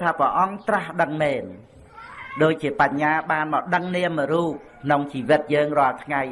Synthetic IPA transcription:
t̪ʰaːprəʔɑŋt̪rahɗəŋmɛːn | ɗoːc̚t͡ɕiəpaɲːaːɓaːnmɑːɗəŋniəmːəɾuːp̚kkʰnoŋt͡ɕiːʋɨt̪̚jəːŋrŏəlt̪ʰŋaj

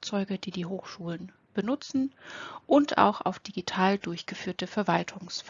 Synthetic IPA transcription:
k̚t͡sɔʏɡəd̥iːdiːɦoːxʃuːlən | b̥ənʊt͡sn̩ʔʊntʰa̰ʊxa̰ʊfd̥iɡitʰaːldʊɐçɡ̥əfyːɐtəfɛɐvaltʰʊŋsf

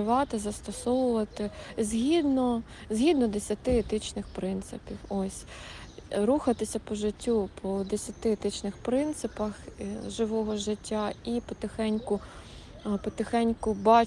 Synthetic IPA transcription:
ɪʋɑt̪ɪzɐst̪ɔsɔwʊʋɐt̪ɪzʲɦʲid̪nɔ | zʲɦʲid̪nɔd̪esʲɐt̪ɪet̪ɪt͡ʃnɪxpɾɪnt̪sɪpʲiwɔsʲ | ɾuxɐt̪ɪsʲɐpɔʒɪtʲːupʰɔd̪esʲɐt̪ɪɛt̪ɪt͡ʃnɪxpɾɪnt̪sɪpɐxʒɪʋɔɦɔʒɪtʲːaipɔt̪exɛnʲkʊ | pɔt̪exɛnʲkʊbɑ

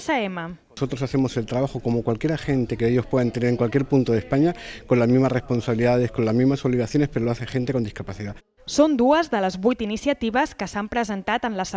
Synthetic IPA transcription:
səemə | so̞t̪ɾosaθe̞mose̞lt̪ɾaβaxoko̞mokwalkjeɾaxe̞nt̪e̞keeʎo̞spwe̞ðant̪eneɾeŋkwalkjeɾpunt̪oðe̞spaɲako̞nlazmizmarespo̞nsaβiliðaðesko̞nlazmizmaso̞βliɣaθjo̞nespe̞ɾoloaθexe̞nt̪eko̞nd̪iskapaθiða | sond̪uəzðələzβujt̪inisjət̪iβəskəsampɾəzənt̪at̪ənləsə

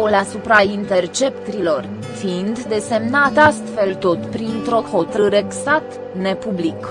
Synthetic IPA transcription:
olasupɾaint̪e̞rt͡ʃe̞p̚t̪silo̞r | fiind̪ːe̞se̞mnat̪ast̪fe̞lt̪o̞t̪pɾint̪ɾo̞xo̞t̪ɾɨɾe̞ksat̪ | ne̞publik

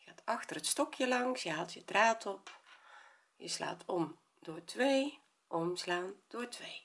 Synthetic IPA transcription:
jəxaːtʰɑxtərətstɔkjəlɑŋsjəɦaːlˠtjədraːtʰɔp | jəsla̰ːtʰɔm | dʊːtʋej | ʔɔmslaːnd̥oːtʰʋej

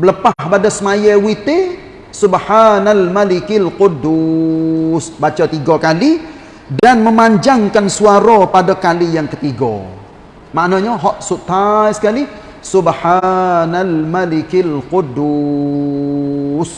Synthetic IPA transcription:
bələpahbadasmajɛwit̪e | subhanalmalikilqʊdu | sbat͡ʃat̪iɡakali | danməmaɲd͡ʒaŋkansuaɾapadakalijaŋkət̪iɡɔ̰ | maʔnaɲaɦɔʔsut̪aisə̥kali | subhanalmalikilqudu | s

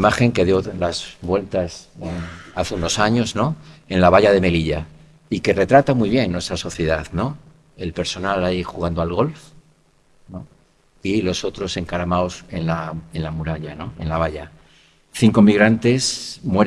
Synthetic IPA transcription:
maxe̞ŋke̞ðjo̞lazβwe̞lt̪aseaθeuno̞saɲo̞zno̞e̞nlaβ̞aʎað̞e̞me̞liʎa | ike̞re̞t̪ɾat̪amwujβ̞jenːwest̪ɾaso̞θje̞ðaðno̞ | e̞lpe̞ɾso̞nalaixuɣ̞and̪oalɣo̞lf | no | ilo̞so̞t̪ɾo̞se̞ŋkaɾamaose̞nlae̞nlamuɾaʎano̞̰e̞̰nlaβ̞aʎa | θiŋko̞miɣɾant̪e̞smwe̞ɾ

